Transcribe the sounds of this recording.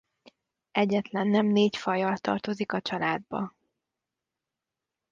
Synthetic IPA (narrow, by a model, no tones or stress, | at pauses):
ɛɟːɛt̪lɛnːɛmneːcfɒjɒlt̪ɒ̰rt̪o̞zikɒt͡ʃɒlaːd̪̚bɒ̰